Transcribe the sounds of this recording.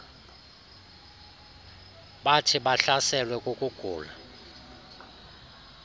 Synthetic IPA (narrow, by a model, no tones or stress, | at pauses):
ɓatʰiɓaɬasɛlwɛkʼukʼuɡ̥ʱṵːla